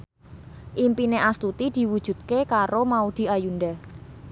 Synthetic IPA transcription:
ʔimpineʔast̪ut̪id̪̥i̤wud̥ʒ̥ṳt̪̚kekaɾomaud̪̥i̤ajunɖ̪a

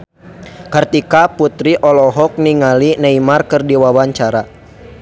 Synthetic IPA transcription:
kərt̪ikaput̪ɾiʔɔlɔɦɔk̚niŋalinaimarkɨrdiwawaɲt͡ʃaɾa

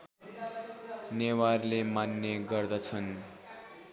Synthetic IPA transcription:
newarlemanːeɡʌrd̪ʌt͡sʰʌn

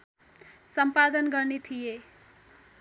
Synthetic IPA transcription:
sʌmpad̪ʌnɡʌrnet̪ʰije

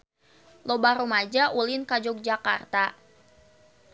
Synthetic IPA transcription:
lobaɾomad͡ʒaʔulɪnkad͡ʒɔk̚d͡ʒakart̪a

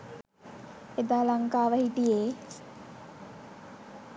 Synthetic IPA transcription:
ed̪aːlaŋkaːʋəhit̪ijeː

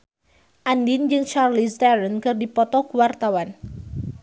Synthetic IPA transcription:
ʔandind͡ʒɨŋt͡ʃarlist̪ɛɾənkɨrdipɔt̪ɔkuwart̪awan

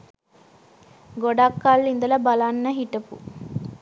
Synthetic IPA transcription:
ɡoɖakːalːind̪ələbalanːəɦiʈəpṵ

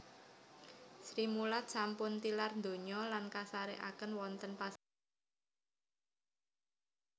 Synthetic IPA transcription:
sɾimulat̪̚sampʊnt̪ilarnd̪o̤ɲɔlankasaɾeʔa̰kənwɔnt̪ənpa

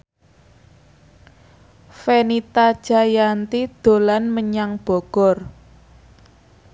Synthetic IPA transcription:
fenit̪ḁʒ̥a̤jant̪id̪̥o̤lanməɲaŋb̥ɔ̤ɡ̥ɔ̤r

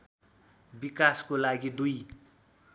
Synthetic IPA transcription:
bikaskolaɡid̪uj

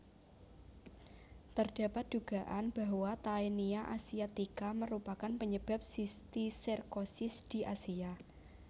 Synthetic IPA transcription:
t̪ərd̥a̤pat̪̚d̥uɡ̥a̤ʔanb̥a̤ɦwat̪ainiaʔasiat̪ikaməɾupakanpəɲəb̥a̤p̚sist̪isirkosɪsd̪̥i̤ʔasia

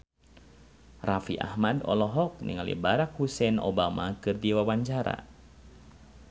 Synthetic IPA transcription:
rafiʔa̰hmadɔ̰lɔɦɔk̚nḭŋalḭbaɾak̚husɛno̰bamakɨrdiwawaɲt͡ʃaɾa̰

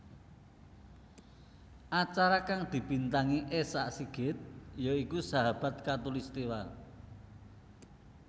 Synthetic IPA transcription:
ʔat͡ʃaɾakaŋd̪̥i̤b̥int̪aŋiʔesaʔsiɡ̥ɪt̪̚joikusaɦab̥a̤t̪̚kat̪ulist̪iwal

